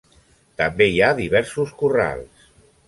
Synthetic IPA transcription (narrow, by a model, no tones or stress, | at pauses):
t̪ambeiaðiβɛɾsuskura̰lˠs